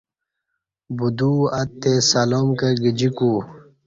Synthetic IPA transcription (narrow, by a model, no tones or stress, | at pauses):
bud̪uːɐt̪ːesalomkeɡid͡ʑiku